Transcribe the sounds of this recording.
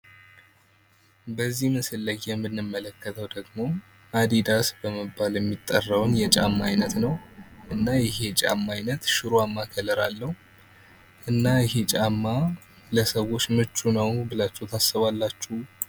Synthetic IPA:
bəzːihmɨsɨlːəɡjɛmːɨnːɨmːələkʰːət̪ʰəwd̪əɡmo̞ | ad̪id̪asbəməbːaljɛmːit̪ʼːərːəwnjɛt͡ʃʼa̰mːajnət̪nəwʔɨnːajɪhe̞t͡ʃʼa̰mːajnət̪ʃɨɾuamːakʰələɾalːəh | ʔɨnːajɪɦe̞t͡ʃʼamːa | ləsəwo̞t͡ʃːmɨt͡ʃʼːunəwbɨlat͡ʃːut̪ʰasːɨβalːat͡ʃːu

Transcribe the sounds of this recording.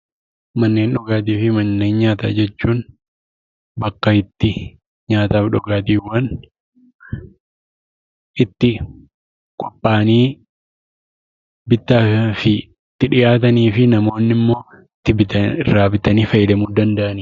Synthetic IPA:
mɐnːe̞ːnᶑɔɡaːt̪̬iːfɪmɐnːe̞ːnɲaːt̪a̰ːd͡ʒɛt͡ʃːuːn | bɐkːɐɪt̪ːɪ | ɲaːt̪aːfᶑɔɡaːt̪iːwɐn | ʔɪt̪ːɪ | kʼɔpʼːaːniː | bɪt̪ːaːfɪ | t̪ːɪᶑɪjʔaːt̪ɐniːfɪnɐmo̞ːnːɪmːo̞ː | ɪt̪ːɪbɪt̪ɐrːaːbɪt̪ɐniːfɐjɪlɛmuːd̪ɐnd̪ɐʔɐniː

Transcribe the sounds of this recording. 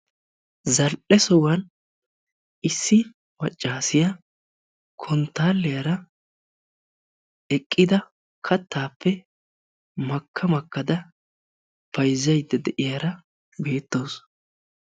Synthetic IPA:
zɐlʔɛsɔwɐn | ɪsːɪ | mɐt͡ʃʼːaːsɪjɐ | kʰɔnt̪ːaːlːɛjɐɾɐ | ɛkʼːɪd̪ɐ | kʰɐt̪ːaːpːɛ | mɐkʰːɐmɐkːɐd̪ɐ | pɐjzːɐjd̪ːɛd̪ɛʔɪjaɾɐ | be̞ːt̪ːo̞ːs

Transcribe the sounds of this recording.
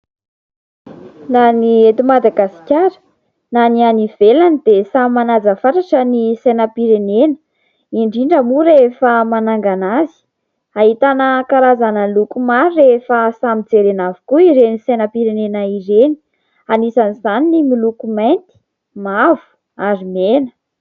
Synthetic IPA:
naniet̪imad̪aɡasi̥kʲaɾə̥ | nanianivelanid̪esammanazəfaʈ͡ʂaʈ͡ʂənisajnəpiɾenenə̥ | iɳɖ͡ʐiɳɖ͡ʐəmuɾefəmanaŋɡanazi̥ | aɦit̪anəkaɾazanəlukumaɾirefəsamid͡zeɾenavu̥kuiɾenisanəpiɾenenaiɾeni̥ | anisanizaninimilukumajnt̪i̥ | mavu̥ | aɾimenə̥

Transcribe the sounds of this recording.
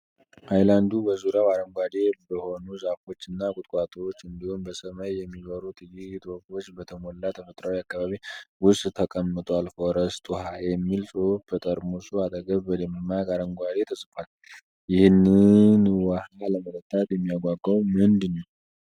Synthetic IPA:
hajland̪ubəzuɾjawaɾəŋɡʷad̪e̞bəho̞nuzafo̞t͡ʃːɨnːakʼʊt̪ʼkʼat̪ʰo̞t͡ʃːɨnd̪ihonbəsəməjːɛmːiβəɾut̪ʰʼɨjit̪ʰʼwofo̞t͡ʃːbət̪ʰəmolːat̪ʰəfət̪ʼɾawiakːaβaβiwʊstʼt̪ʰəkʼəmːɨt̪ʼwalfoɾəst̪ʼuhajɛmːilsʼupʰːət̪ʼəɾmusuad̪ʼəɡəβːəd̪emmːaɡʼaɾəŋɡʷad̪e̞t̪ʰəsʼfal | jɪhɨnːɨnwahaləmələt̪ʰːat̪jɛmːijaɡʷaɡːəwmɨnd̪ɨnːəw

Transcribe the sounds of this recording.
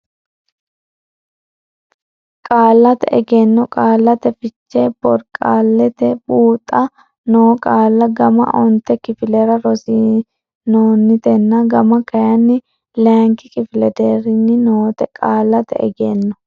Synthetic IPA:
kʼaːlːɐt̪ɛʔɛ̰ɡenːɔkʼaːlːɐt̪ɛfɪt͡ʃːebɔɾkʼaːlːɛt̪ɛbuːt̪ʼːɐ | noːkʼaːlːɐɡɐmɐ̰ʔɔnt̪ɛkɪfɪlɛɾɐɾɔsi | noːnːɪt̪ɛnːɐɡɐmɐkɐjɐnːɪ | laːŋkɪkʼɪfɪlɛd̪eɾɪnːɪnoːt̪ɛkʼaːlːɐt̪ɛ̰ɛ̰ɡenːɔ

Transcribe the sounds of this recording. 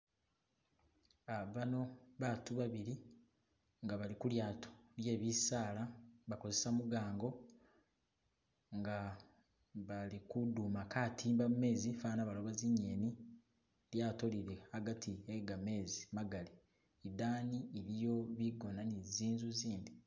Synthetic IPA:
aβano̞βatuβaβiɾi | ŋɡaβalikuljaːtʰo̥lje̞ːβisaːlaβako̞ze̞samuɡaːŋɡo̞ | ŋɡa | βalikudumakatʰiːmbamume̞ːzifaːnaβalo̞βaziɲːeːni | ljaːto̞liɾeaɡatieɡame̞ːzimaɡale | idaːniːɾijo̞βiɡo̞naniziːnzuziːndi

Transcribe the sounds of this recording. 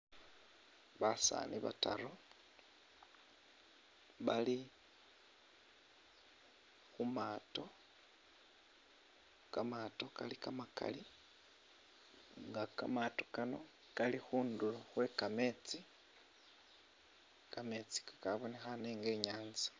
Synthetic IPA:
βasa̰ːniβa̰ta̰ɾo | βali | xumaːto̞ | kamaːto̞kalikamaka̰li | ŋɡakamato̞̥kano̞ | kalixuːnduloxwe̞kame̞t͡si | kame̞t͡si̥kakaβo̞nexaneːŋɡe̞ːɲaːnzḁ

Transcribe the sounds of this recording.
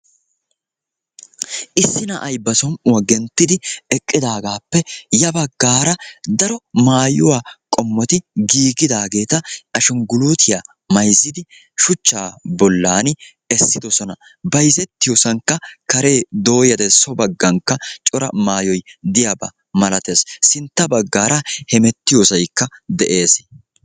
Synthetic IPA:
ʔɪsːɪnɐʔɐjbːɐsɔnʔʊwɐɡɛnt̪ːɪd̪ɪɛkʼːɪd̪aːɡaːpːɛjɐbɐɡːaːɾɐd̪ɐɾɔmaːjʊwaːkʼɔmːɔt̪ɪɡiːɡɪd̪aːɡe̞ːt̪ɐɐʃɔŋɡʊluːt̪ʰɪja | mɐjzːɪd̪ɪ | ʃʊt͡ʃːaːbɔlːaːn | ɛsːɪd̪ɔsɔnɐ | bɐjzɛt̪ːɪjɔsɐŋkːɐkɐɾe̞ːd̪o̞ːjɐd̪ɛsɔbɐɡːɐŋkːɐt͡ʃʼɔɾɐ̰maːjɔjd̪ɪjabɐ̰ | mɐlɐt̪e̞ːssɪnt̪ːɐbɐɡːaːɾɐhɛmɛt̪ːɪjɔsɐjkːɐd̪ɛʔeːs

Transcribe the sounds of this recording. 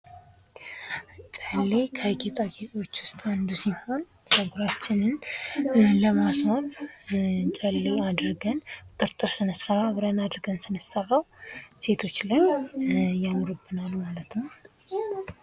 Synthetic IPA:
t͡ʃʼəlːekʰəɡet̪ʼaɡet̪ʼo̞t͡ʃːwʊst̪ʼand̪usiho̞n | səɡuɾat͡ʃːɪnɨn | ləmaswan | t͡ʃʼəlːead̪ɾɨɡənt̪ʼɨɾt̪ʼɨɾsɨnəsərːaβɨɾənad̪ɾɡənsɨnəsərːawse̞t̪ʰo̞t͡ʃːləj | jamɾɨbːɨnalmalət̪nəw

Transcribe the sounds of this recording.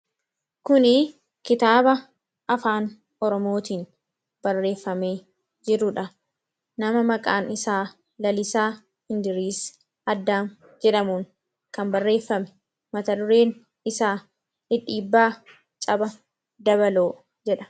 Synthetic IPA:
kʊnɪ | kɪt̪aːbɐ | ʔɐfaːn | ɔɾɔmo̞ːt̪iːn | b̥ɐrːe̞ːfːɐme̞ː | d͡ʒɪɾʊᶑɐ | nɐmɐmɐkʼaːnɪsaː | lɐlɪsaː | hɪnd̪ɪɾiːs | ɐd̪ːaːn | d͡ʒɛᶑɐmuːŋ | kɐmbɐrːe̞ːfːɐmɛ̥ | mɐt̪ɐd̪ʊɾe̞ːn | ɪsaː | ɪᶑiːbːaː | t͡ʃʼɐbɐ | d̪ɐbɐloː | d͡ʒɛᶑɐ̥

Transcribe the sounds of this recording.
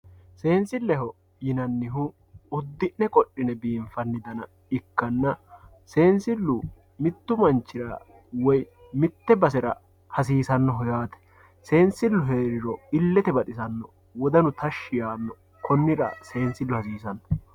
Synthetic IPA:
se̞ːnsɪlːɛɦɔ | jɪnɐnːɪɦʊ | ʊd̪ːɪʔnɛkʼɔɗːɪnɛbiːɱfɐnːɪd̪ɐnɐ | ɪkːɐnːɐ | se̞ːnsɪlːʊ | mɪt̪ːʊmɐnt͡ʃːɪɾɐ | wɔj | mɪt̪ːɛbɐs̬ɛɾɐ̰ | hɐs̬iːsɐnːɔɦɔjaːt̪ɛ̥ | se̞ːnsɪlːʊɦeːɾɪɾɔɪlːɛt̪ɛbɐt̪ʼɪsɐnːɔ | wɔd̪ɐnʊt̪ɐʃːɪjaːnːɔ | kʰɔnːɪɾɐ̰se̞ːnsɪlːʊhɐsiːsɐnːɔ̥

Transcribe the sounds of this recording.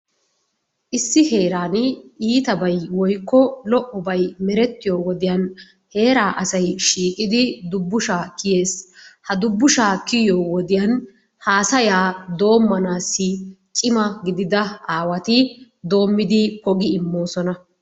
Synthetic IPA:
ʔɪsːɪhe̞ːɾaːnɪiːt̪ɐbɐjwɔjkːɔlɔʔɔbɐjmɛɾɛt̪ːɪjoːwɔd̪ɪjɐn | he̞ːɾaːʔɐsɐjʃiːkʼɪd̪ɪd̪ʊbːʊʃaːkɪje̞ːshɐd̪ʊbːʊʃaːkːɪjoːwɔd̪ɪjɐn | haːsɐjaːd̪o̞ːmːɐnaːsːɪt͡ʃʼɪmɐɡɪd̪ɪd̪ɐaːwɐt̪ɪ | d̪o̞ːmːɪd̪ɪkɔɡɪɪmːo̞ːsɔnɐ

